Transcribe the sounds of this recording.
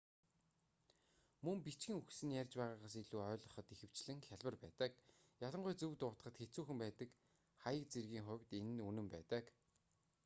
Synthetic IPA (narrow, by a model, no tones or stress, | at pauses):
mɵmpit͡ɕɡĭːŋuxsɘ̆njærʲt͡ɕpæːʁaːʁaːs̬eɮuːœːɮʁɞ̆χɞ̆t̪ixɘ̆w̥t͡ɕɮɘ̆ŋxʲaɮʲwə̆rpæːt̪ə̆k̚ | jaɮə̆ɴɢʊjt͡sɵwt̪ʊːt̪ə̆χə̆t̪xet͡suːxɘ̆mpæːt̪ə̆k | χajə̆k̚t͡serɣiːŋχʊ̟wʲt̪enɘ̆nunɘ̆mpæːt̪ə̆k